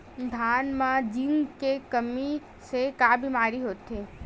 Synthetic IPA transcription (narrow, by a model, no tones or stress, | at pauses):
d̪ʱaːnmãd͡ʒiŋkekəmi | sekaːbʱimaːɾiɦoːt̪eː